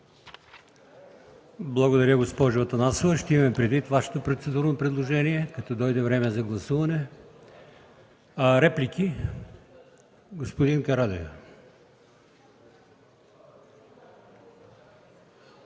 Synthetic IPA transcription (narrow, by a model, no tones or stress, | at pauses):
blˠɐɡod̪ɐɾʲjəɡospɔʒovɐt̪ɐnasovˠəʃt̪ɛimɐmɛpɾɛd̪vit̪vaʃɛ̥t̪opɾot̪sɛd̪uɾnopɾɛd̪lˠoʒɛniɛkɐt̪ɔd̪ɔjd̪ɛvɾɛmɛzɐɡlˠɐsuvɐnɛ | ɐɾɛplʲikʰʲi | ɡospod̪inkɐɾad̪ɛj